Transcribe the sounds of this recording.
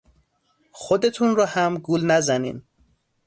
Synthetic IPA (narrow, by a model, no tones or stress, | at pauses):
xod̪e̞t̪ʰunrɒːhæmɡuːlnæzænḭːn